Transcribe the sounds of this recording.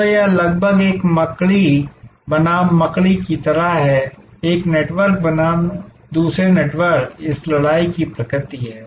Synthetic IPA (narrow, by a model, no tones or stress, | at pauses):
ojalɐɡbʱəɡeːkmɐkɭibɐnaːmːɐkɭikit̪ɐɾaɦɦɛ | eːkneːʈʋəɾk̚bɐnaːm | d̪uːsɾeneːʈʋəɾkɪslɐɽaːikipɾɐkɾɪt̪iɦɛː